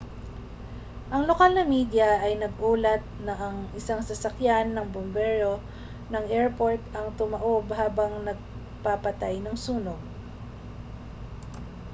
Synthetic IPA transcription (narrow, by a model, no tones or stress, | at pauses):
ʔɐŋlokalnɐmid̪jɐʔɐjnɐɡ̚ʔuːlɐt̪̚nɐʔɐŋɪsaŋsɐsɐkjanːɐŋbʊmbɛɹo̞ | nɐŋɛɹpoɹt̪ɐŋt̪ʊmɐʔobhaːbɐŋnɐɡ̚ | papɐt̪ajnɐŋsuːnoɡ̚